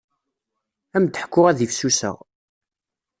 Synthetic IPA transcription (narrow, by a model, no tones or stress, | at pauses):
æmd̪əħkːʊʁæðifsusə̰ʁ